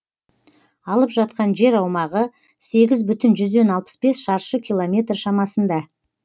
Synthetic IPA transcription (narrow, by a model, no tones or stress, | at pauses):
ɑlˠəpʒɑt̪̚qɑnʒe̞ɾɑwmɑʁə | se̞ɡʲɪzbʏt̪ɪnʒʏzd̪e̞nɑlˠpə̥sbe̞sʃɑɾʃəkʲʰijlˠomʲe̞t̪rʃɑmɑsənd̪ɑ